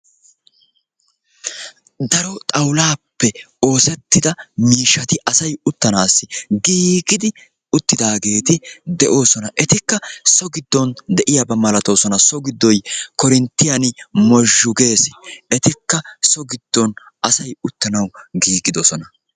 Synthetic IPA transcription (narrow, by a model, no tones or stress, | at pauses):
d̪ɐɾɔt̪ʼɐwlaːpːɛ | o̞ːsɛt̪ːɪd̪ɐmiːʃɐt̪ɪɐsɐjʊt̪ːɐnaːsːɪɡiːɡɪd̪ɪ | ʊt̪ːɪd̪aːɡe̞ːt̪ɪd̪ɛʔo̞ːsɔnɐʔɛt̪ɪkːɐsɔɡɪd̪ːɔnd̪ɛʔɪjɐbɐmɐlɐt̪o̞ːsɔnɐsɔɡɪd̪ːɔjkɔɾɪnt̪ːɪjɐnmɔʒːʊɡe̞ːsɪ̥ɛt̪ɪkːɐsɔɡɪd̪̥ːɔn | ɐsɐjʊt̪ːɐnɐwɡiːɡɪd̪ɔsɔnɐ